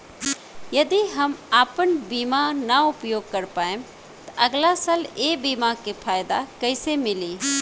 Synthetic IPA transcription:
jɐd̪iɦɐmaːpənbiːmanaʊpjoːɡ̚kɐɾpaːẽm | t̪ɐʔɐɡlasaːleːbiːmakepʰaːjd̪akɐɪsemɪliː

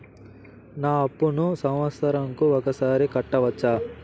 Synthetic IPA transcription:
naːɐpːunusɐmʋɐsɐɾɐŋkuɔkɐsaːɾikɐʈːɐʋɐt͡ʃːaː

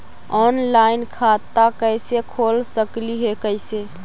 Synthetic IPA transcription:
ɔnlainkʰat̪akəɪsekʰolsəkliɦekəɪse

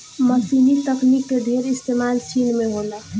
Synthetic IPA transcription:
məsiːnit̪əknikːeɖʱeːɾɪst̪eːmaːlt͡ʃʰiːnmẽɦoːla

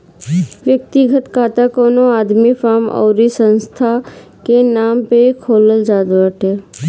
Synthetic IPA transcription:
ʋjək̚t̪iɡʱət̪kaːt̪akoːnoaːd̪mifaːmɔ̰ːɾisə̃nst̪ʰa | kenaːmpekʰoːləld͡ʒaːd̪ʋəʈe

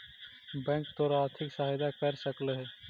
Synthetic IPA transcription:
bɛ̃ːŋkt̪oːɾaːɾt̪ʰɪksaɦɪd̪akəɾsəkləɦɛ

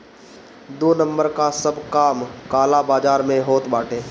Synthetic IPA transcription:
d̪oːnə̃mbəɾkasəbkaːmkaːlabaːd͡ʒaːɾmẽɦoːt̪baːʈʰeː

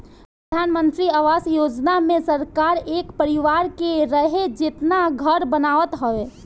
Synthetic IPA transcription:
pɾəd̪ʱaːnmə̃nt̪ɾiaːʋaːsjoːd͡ʒnamẽsəɾkaːɾeːkpəɾɪʋaːɾkeɾəɦed͡ʒɪt̪naɡʱəɾbənaːʋət̪ɦoeː

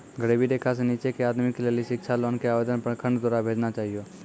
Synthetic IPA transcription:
ɡʱəɽebʱid̪eːkʰas̬eniːt͡ʃekeaːd̪mɪkːleːliʃɪkʃʰaloːnkeaːʋeːd̪ənpə̃kʰə̃ɳɖd̪oːɾabʱeːd͡ʒnat͡ʃaːɦijoː

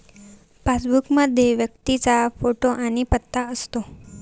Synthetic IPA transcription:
pasbukmad̪ʱjeʋjək̚t̪it͡safoʈoʔanipət̪ːaəst̪o

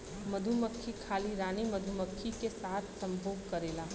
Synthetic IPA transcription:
məd̪ʱuməkʰːikʰaːliɾaːnimɐd̪ʱuməkʰːikesaːt̪ʰsɐ̃mbʱoːɡkɐɾeːlaː

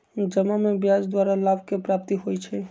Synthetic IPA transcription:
d͡ʒəmamebjad͡ʒd̪waɾalabkepɾap̚t̪iɦojt͡ʃʰɛ

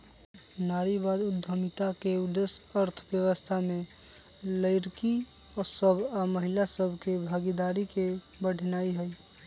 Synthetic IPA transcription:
naɾibad̪ʊd̪ʱːəmit̪akeud̪esəɾt̪ʰbjəwəst̪ʰame | ləɪɾki | ɔɾsəbʱaməɦilasəbʱkebʱaɡid̪aɾike | bəɽ̤ʱnaiɦəj

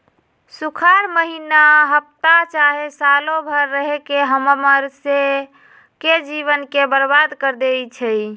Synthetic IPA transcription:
sukʰaɾməɦinaɦəp̚t̪at͡ʃaɦesalobʱəɾːəɦekeɦəməməɾse | ked͡ʒiβənkebəɾbad̪kəɾd̪ejt͡ʃʰɛj

